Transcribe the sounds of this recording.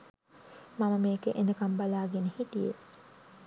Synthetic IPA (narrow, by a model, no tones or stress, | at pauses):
maməmeːkeʔend̪əkambalaːɡenehiʈijḛ